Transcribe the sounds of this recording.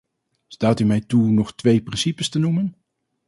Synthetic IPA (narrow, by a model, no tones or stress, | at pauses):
staːtymɛjtunɔχtʋejprɪnsipəstənumən